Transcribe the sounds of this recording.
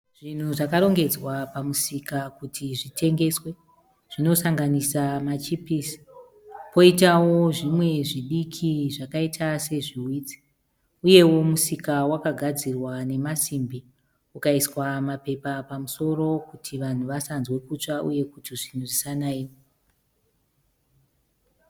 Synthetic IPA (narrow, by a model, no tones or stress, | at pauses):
ʐ̥in̤uʐakaɾo̞ŋɡe̞d͡zwapamusikakutʰiʐitʰe̞ŋɡe̞swe̞ | ʐ̥ino̞saŋɡanisamat͡ʃipiːsi̥ | po̞itawo̞ʐimwe̞ʐiɗikʰiʐakaitʰase̞ʐiwiːd͡zi̥ | uje̞wo̞musikawakaɡʱad͡zirwane̞masimbi | ukaiswamape̞papamuso̞ro̞kutʰiʋan̤uʋasanzwe̞kut͡ʂaʔṵje̞kutiʐin̤uʐisanaːi